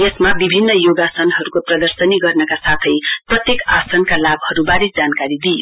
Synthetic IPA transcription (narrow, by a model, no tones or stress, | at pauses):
jesmabibʱinːʌjoɡasʌnɦʌɾukoprʌd̪ʌrsʌniɡʌrnʌkasat̪ʰʌjprʌt̪jekasʌnkalabhʌɾubaɾisd͡zankaɾid̪ijo